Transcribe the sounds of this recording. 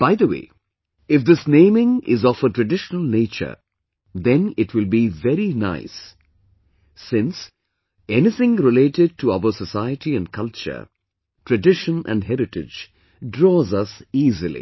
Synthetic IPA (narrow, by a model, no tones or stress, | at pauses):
b̥aɪd̪əwḛː | ɪfd̪ɪsnẽɪ̃mɪ̃ŋɪ̰zɔfəʈɹɨɖɪʃənəlˠneːt͡ʃə̰˞ | d̪ɛ̃nɪʈʰwɪlˠbivɛɾina̰ɪs | ɪ̃ns | ɛnɪθɪ̃ŋɾɪleɪʈɪɖ̚ʈʰuaʊəsəsaɪəʈiæ̃nkʰʌlt͡ʃə̰˞ | ʈʰɹɨɖɪʃə̃nʔæ̰̃nɖɦɛɾɪʈɪd͡ʒ | ɖɾɔːzʌsiːzɨlḭ